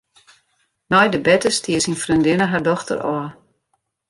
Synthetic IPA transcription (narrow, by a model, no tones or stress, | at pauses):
nɔjdəbɛtəstiəsinfrindɪnəɦardɔxtə̰rɔː